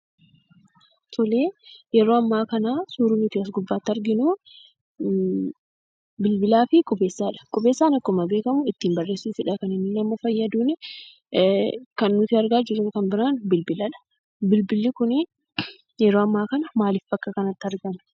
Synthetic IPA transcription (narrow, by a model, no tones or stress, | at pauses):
t̪ʰɔleːjɛɾoːɐmːaːkɐnaːsuːɾunɪt̪ɪɐs̬ɡʊbːaːt̪ːɐɾɡɪnʊ | bɪlbɪlaːfɪkʼʊbe̞ːsːaːᶑɐ̥kʼʊbeːsːaːnɐkːɔmɐbe̞ːkɐmʊɪt̪ːiːmbɐrːeːsːuːfɪᶑɐkɐnɪnːɪnɐmɐfɐjːɐd̪uːnɛ | kɐnːʊt̪ɪɐɾɡaːd͡ʒɪɾʊkɐnbɪɾaːnbɪlbɪlɐᶑɐ̥ | bɪlbɪlːɪkʊnɪ | jɛɾoːɐmːaːkɐnɐmaːlɪfbɐkʼːɐkɐnɐt̪ːɪɐɾɡɐmɪ̥